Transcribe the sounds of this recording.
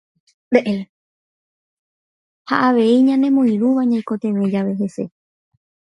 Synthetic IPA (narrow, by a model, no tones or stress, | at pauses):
d̪eʔe | haʔaʋe̞iɲãnẽ̞mõĩɾuʋaɲãĩkot̪ẽ̞ʋẽ̞d͡ʒaʋe̞he̞se̞̰